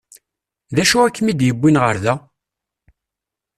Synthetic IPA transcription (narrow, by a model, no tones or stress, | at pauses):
ðæʃuækːmid̪jəbʷːinʁə̰ɾðæ